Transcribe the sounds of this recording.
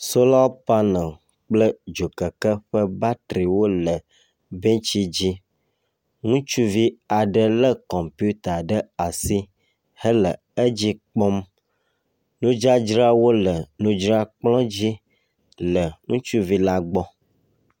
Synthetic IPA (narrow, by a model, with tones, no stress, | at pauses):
so˦la˦wpa˦nə̃˨ | k͡plə˦d͡ʒo˨kə˨kə˦ɸə˦ba˦t̪ɾi˨wo˦lə˨ | be˦t͡ʃi˦d͡ʑi˦ | ŋũ˦t͡ʃu˦vi˦a˨ɖə˦lə˦kɔ˨mpi˦u˦t̪a˨ɖə˦a˨si˦ | hə˦lə˨ | ə˦d͡ʑi˦k͡pɔ˦m | nũ˦d͡ʒa˦d͡ʒɾa˦wo˦lə˨nũ˦d͡ʒɾa˦k͡plɔ̃˦d͡ʑi˦ | lə˨ŋũ˦t͡ʃu˦vi˦la˦ɡ͡bɔ˦